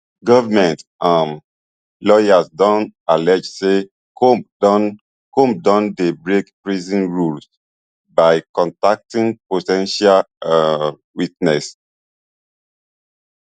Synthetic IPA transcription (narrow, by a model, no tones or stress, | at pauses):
ɡɔvamɛ̃ntãm | lɔjasdɔ̃ntalɛd͡ʒse | kodɔn | kõmp̚dɔ̃ndebɹekpɹizĩnɹuls | baɪkɔ̃ntak̚tĩŋpotɛ̃nʃal | witnɛs